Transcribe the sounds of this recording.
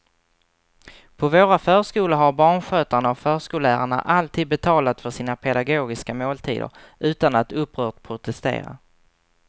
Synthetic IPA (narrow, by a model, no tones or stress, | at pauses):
pʰɔvoːɾafœːʂkuːləɦaɾbɑːɳɧøːt̪aɳaɔfœːʂkuːlæːɾaɳa̰ʔalt̪ʰiːd̪̚bɛt̪ʰɑːlat̪fœʂiːnapʰɛd̪aɡoːɡɪskamoːlt̪ʰḭːd̪ə̰ɾ | ʉ̟ːt̪anat̪ɵpːɾœːʈpʰɾʊt̪ɛst̪ḛːɾa̰